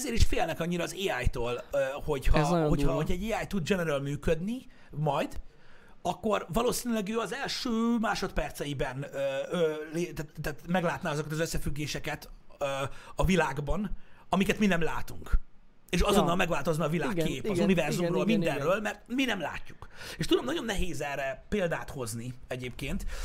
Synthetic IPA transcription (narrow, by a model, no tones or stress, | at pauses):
ɛzeːɾiʃfeːlnɛkɒɲːiɾɒːzeːaːjt̪oːløho̞chɒho̞hɒoɟɛɟːeːaːjt̪ud̪̚d͡ʒɛnɛɾølmyːkød̪ni | mɒjd̪ | ɒkːo̞rvɒloːsiːnylɛɡøːɒzɛlʃøːmaːʃo̞t̪pɛrt̪sɛjibɛnøøːleːt̪at̪t̪ːat̪mɛɡlaːt̪naːɒzokɒt̪ɒzøsːɛfyɡːeːʃɛkɛt̪øɒvilaːɡbɒnɒmikɛt̪minɛmla̰ːt̪uŋk | eːʃɒzo̞nːɒlmɛɡvaːlt̪o̞znɒːvilaːkːeːpɒzunivɛrzzumroːlmind̪ɛrːøːlmɛrt̪minɛmla̰ːcːukeːʃt̪ud̪omnɒɟo̞nːɛɦeːzɛrːɛpeːld̪aːt̪ho̞zniɛɟeːpkeːnt̪